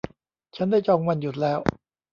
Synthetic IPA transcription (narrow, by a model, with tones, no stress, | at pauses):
t͡ɕʰa˦˥ndaː˥˩jt͡ɕɔː˧ŋwa˧nju˨˩t̪̚lɛː˦˥w